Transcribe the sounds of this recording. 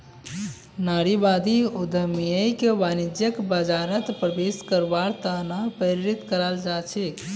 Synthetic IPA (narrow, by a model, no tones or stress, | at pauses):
naɾibad̪iud̪əmijəjkeʋanid͡ʒjəkbəd͡ʒaɾət̪pɾəbeskəɾbaɾt̪anapəɾiɾit̪kəɾəld͡ʒat͡ʃʰɛ